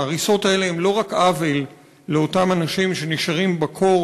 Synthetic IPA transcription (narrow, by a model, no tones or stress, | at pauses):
ʁiso̞tae̞leemlo̞ʁakavilː | eo̞tamanaʃimʃe̞niʃaʁimbakʰo̞